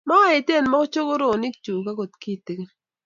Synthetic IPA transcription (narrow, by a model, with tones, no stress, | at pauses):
ma˦e˨te˦˨n˦mɔ˦kt͡ʃo˦ko˦ɾo˦˨ni˦kt͡ʃu˨ka˦ko˨tki˦˨ti˨ke˦